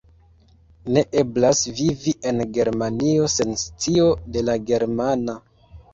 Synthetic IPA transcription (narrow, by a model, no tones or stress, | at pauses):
ne̞ʔe̞blasviviʔe̞nɡe̞ɾmanio̞se̞nst͡sio̞de̞laɡe̞ɾmana